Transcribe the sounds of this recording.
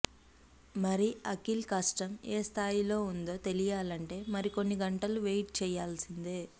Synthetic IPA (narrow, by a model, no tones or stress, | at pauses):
mɐɾiɐkilkaːʂʈɐmeːst̪ʰaːjilo̞ːund̪o̞ːt̪e̞lijaːlɐɳʈe̞ːmɐɾiko̞nːiɡɐɳʈɐluʋejʈ̚t͡ʃɛːjaːlsind̪eː